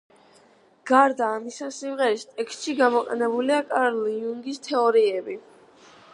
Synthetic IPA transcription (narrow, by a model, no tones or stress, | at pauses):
ɡ̥aɾd̪aːmisasimʁɛɾist̪ʼɛkst̪ʼʃiɡamɔqʼɛ̰nɛbuliakʼaɾliuŋɡist̪ʰɛɔɾiɛbi